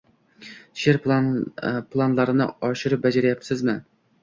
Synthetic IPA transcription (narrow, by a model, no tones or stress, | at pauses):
ʃeɾp | plˠɑnlˠɑɾɨnɨ̰ɒʃɪɾɪp̚bɛd͡ʒɛɾɪjɑpsɪzmɪ